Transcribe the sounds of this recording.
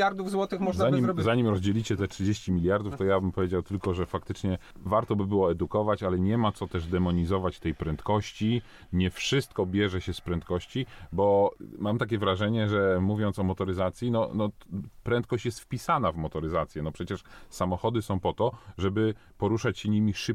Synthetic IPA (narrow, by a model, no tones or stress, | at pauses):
jaɾd̪ufzwɔt̪ɨxmɔʐzaɲimʲzaɲimɾɔzd͡ʑelʲit͡ɕɛt̪ɛtʂɘd͡ʑeɕt͡ɕimʲilʲjaɾd̪uft̪ɔjabɘmpɔvʲjed͡ʑawt̪ɘlkɔʐɛfak̚t̪ɘt͡ʂɲɛvaɾt̪ɔbɘbɘwɔɛd̪ukɔvat͡ɕalɛɲɛmat̪sɔt̪ɛʐd̪ɛmɔɲizɔvat͡ɕt̪ɛjpɾɛnt̪kɔɕt͡ɕi | ɲɛfʂɘst̪kɔbʲjɛʐɛɕɛspɾɛnt̪kɔɕt͡ɕibɔmamt̪akʲɛvɾaʐɛɲɛʐɛmuvʲjɔnt̪sɔmɔt̪ɔɾɘzat̪sʲjinɔnɔpɾɛnt̪̚kɔɕt͡ɕjɛst̪fpʲisanavmɔt̪ɔɾɘzat̪sʲjɛnɔpʂɛt͡ɕɛʂsamɔxɔd̪ɘsɔ̃w̃pɔt̪ɔʐɛbɘpɔɾuʂat͡ɕɕɛɲimʲiʂɘp̚